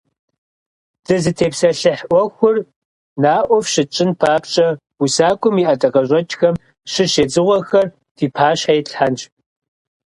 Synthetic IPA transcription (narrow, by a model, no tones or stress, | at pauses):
d̥ɨzɨtʰeːpsɐɬɨħʔʷɔxʷʊr | naːʔʷɔfʃɪt͡ʃʼɪnpʰaːpt͡ʃʼɐ | usaːkʷʼʊmiːʔɐtʼɐqɐʑʷʼɐt͡ʃʼxɐm | ʃɨʃeːd͡zɨʁʷɔxɐr | tʰiːpʰaːɕħajɪɬħant͡ʃʼ